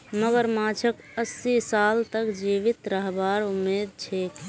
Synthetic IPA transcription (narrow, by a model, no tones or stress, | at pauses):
məɡəɾmat͡ʃʰək | əsːisaːlt̪əkd͡ʒiʋit̪ɾəɦbaɾumːeːd̪̚t͡ʃʰeːk